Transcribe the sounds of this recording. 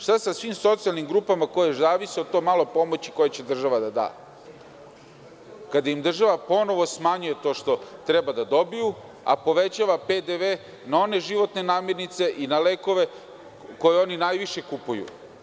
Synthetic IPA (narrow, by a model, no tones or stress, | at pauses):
ʂt̪asasʋimso̞t̪sijalˠnimɡɾuːpamako̞jezaːʋisiod̪̚t̪o̞malo̞po̞mo̞t͡ɕi̥ko̞jet͡ɕe̞d̪r̩ʒaʋad̪ad̪a̰ː | kad̪ajimd̪r̩ʒaʋapo̞no̞ʋo̞smaɲuje̞t̪o̞ʂt̪o̞t̪ɾebad̪ad̪o̞biju | a̰po̞ʋe̞t͡ɕaːʋaped̪eʋe | nao̞ne̞ʒiʋo̞t̪ne̞naːmje̞ɾnit̪se̞ʔinaleko̞ʋe̞ | ko̞jeo̞ninaːjʋiʃe̞kupujṵ